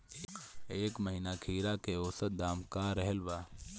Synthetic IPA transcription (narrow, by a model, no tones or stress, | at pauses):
eːkməɦiːnakʰiːɾakeoːsət̪̚d̪aːmkaɾɛɦɛlʋa